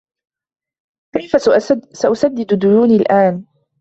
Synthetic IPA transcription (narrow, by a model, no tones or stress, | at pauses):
kajfasaʔʊsad̪ːɪd̪d̪ʊjuːniːlʔaːn